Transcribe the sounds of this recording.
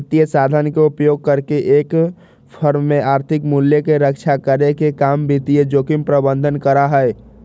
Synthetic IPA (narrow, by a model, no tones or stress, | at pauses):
t̪ijəsad̪ʱənkeupjoːɡ̚kəɾkeʔek | pʰəɾmːẽaːɾt̪ʰɪkmuljəkeɾəkt͡ʃʰakəɾekekambit̪ijed͡ʒoːkimpɾəbə̃nd̪ʱənkəɾaɦɛe